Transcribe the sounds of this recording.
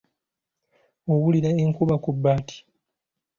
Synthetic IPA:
owuliɾaeŋkuβakubːaːti̥

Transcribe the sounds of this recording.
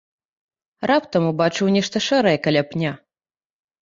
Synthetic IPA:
rapt̪ɐmubat͡ʂɨwnʲɛʂt̪ɐʂɛɾɐjɛkɐlʲapnʲa

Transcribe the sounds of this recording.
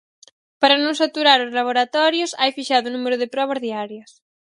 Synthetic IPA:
paɾɐnõŋsat̪uɾaɾʊzlaβ̞oɾat̪ɔɾjosajfiʃaðʊnumeɾʊðɪpɾɔβ̞ɐzðiaɾjɐs

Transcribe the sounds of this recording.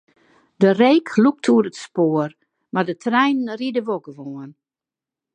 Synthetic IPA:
dəreːkluk̚tʰuəɾətspoːər | mardətʰrɛjnnridəʋoɡəʋoən

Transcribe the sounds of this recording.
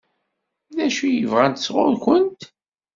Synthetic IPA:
ðæʃujəvʁænt̪ə̥sʁʊ̰ðkʷənt̪

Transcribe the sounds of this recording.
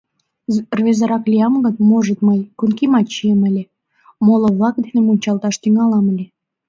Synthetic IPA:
rβezɑɾɑklʲiɑmɡət̪moʒət̪məjkunkimɑt̪t͡ɕiemə̆lʲe | moloβlɑk̚d̪enemunʲt͡ɕɑlt̪ɑʃt̪yŋɑlɑməlʲe

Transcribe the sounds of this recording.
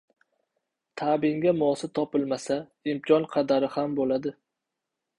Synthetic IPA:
t̪ʰabɪŋɡʲamɒsɪt̪ʰɒpɪlmasa | ɪmkʰʲɒnqʰɑd̪aɾɪhambolad̪ɪ

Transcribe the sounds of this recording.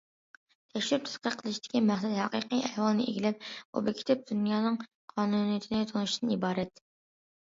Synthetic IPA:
t̪ʰɛkʃɾyp̚t̪ʰɛ̥sqəqʰəlˠɨʃid̪̥ɪ̥kʲʰimæχsɛd̪ɦɛqiqijʔɛhwɑlˠnɨʔḛɡʲilɪp̚ṵbɪkʲʰi̥t̪ʰɪp̚d̪̥unjɑːnɨŋ | qʰɑːnunijt̪ʰɪnɪt̪ʰonuʃid̪ɨnibɑːɾɛt̪

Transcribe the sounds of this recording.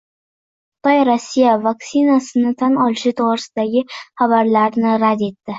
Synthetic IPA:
χ | ʊ̥t̪ɒjɾosːijavaksinasɪnɪt̪ʰanɒlɪʃɪt̪ʰoʁɾɪsɪd̪aɡʲɪχabaɾlaɾnɪɾad̪e̞t̪ːɪ

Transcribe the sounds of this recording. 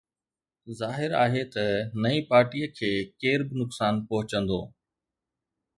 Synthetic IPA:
zaːɦɪɾaːɦet̪ɐnɐĩpaːɾʈiːjəkʰeːkeːɾbɪnʊksaːnpɐɦʊt͡ɕə̃nd̪o̰ː

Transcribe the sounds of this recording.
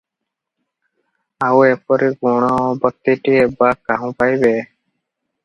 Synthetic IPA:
awepɔɾiɡuɽ̃ɔbɔt̪ːiʈiebakːaɦũpajbe

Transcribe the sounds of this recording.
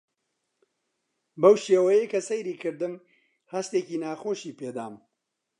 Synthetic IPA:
bɐwʃeːwɐjejkɐsɐjɾiːkʰɨɾd̪ɨm | hɐst̪eːkiːnaːxoːʃiːped̪aːm

